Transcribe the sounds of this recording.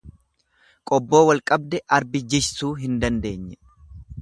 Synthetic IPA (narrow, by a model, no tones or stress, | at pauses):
kʼɔbːo̞ːwɐlkʼɐbd̪ɛʔɐɾbɪd͡ʒɪʃsuːɦɪnd̪ɐnd̪e̞ːɲːɛ